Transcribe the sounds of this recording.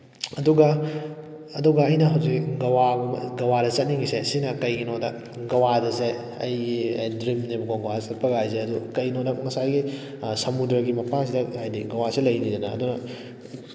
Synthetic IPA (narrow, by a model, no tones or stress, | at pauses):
ɐduɡɐ | ɐduɡɐɐjnɐɦɐwzikɡɐwaɡɡɐwadɐt͡ʃɐt̚niŋɡisesinɐkɐjɡinodɐ | ɡɐwadɐse | ɐ̰jɐjdɾimnebɡoɡɐwasɐt̚pɐɡajzeɐdukɐjnodɐmɐsajɡi | sɐmudɾɐɡimɐpʰaŋsidɐajdiɡɐwasilɐjnidɐnɐ̰ːdunɐ